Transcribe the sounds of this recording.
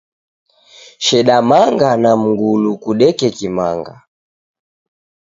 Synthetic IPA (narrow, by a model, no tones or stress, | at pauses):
ʃɛɗamaŋɡanam̩ŋɡulukuɗɛkɛkima̰ŋɡa̰